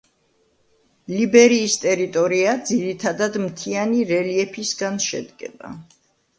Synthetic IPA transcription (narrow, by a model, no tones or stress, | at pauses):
libɛɾiːst̪ʼɛɾit̪ʼɔɾiad̪ziɾit̪ʰad̪ad̪mt̪ʰianiɾɛliɛpʰisɡanʃɛ̰d̪ɡɛ̰ba̰